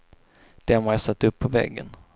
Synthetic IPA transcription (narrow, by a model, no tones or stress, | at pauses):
d̪̥ɛmajasat̪ːɵpʰːɔvɛ̰ɡːə̰n